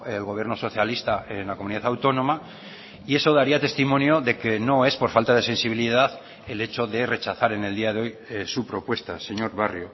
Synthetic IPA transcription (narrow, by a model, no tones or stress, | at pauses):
elɣoβjeno̞so̞θjalist̪aenlako̞muniðaθawt̪o̞no̞ma | ie̞so̞ðaɾiat̪e̞st̪imõnjo̞ðe̞ke̞no̞e̞spo̞ɾfalt̪aðe̞se̞nsiβiliðaθ | e̞le̞t͡ʃo̞ðe̞re̞t͡ʃaθaɾe̞ne̞ld̪iaðeo̞jsupɾo̞pwe̞st̪ase̞ɲo̞ɾβarjo